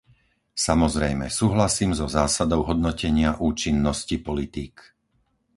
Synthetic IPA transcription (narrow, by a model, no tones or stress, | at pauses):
samɔzɾɛjmɛ̰suːɦlasiːmzɔzaːsad̪ɔʊɦɔd̪nɔcɛɲɪaʔuːt͡ʃinːɔscipɔlit̪iːk